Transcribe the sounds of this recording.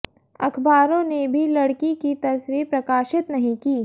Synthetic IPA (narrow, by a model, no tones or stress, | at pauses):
ɐkʰbaːɾõnebʱilɐɽkikit̪ɐsʋipɾɐkaːʃɪt̪nɐɦĩkiː